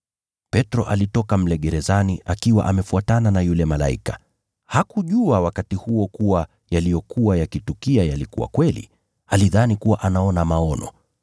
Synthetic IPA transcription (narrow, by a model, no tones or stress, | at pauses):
pɛtɾɔʔalitɔkam̩lɛɠɛɾɛzaniʔakiwa̰ʔamɛfuatananajulɛmala̰ḭkḁ | hakuʄuawakatihuɔkuwa | jalijɔkuwajakitukiajalikuwa̰kwɛlḭ | aliðanikuwaʔanaɔnamaɔnɔ̰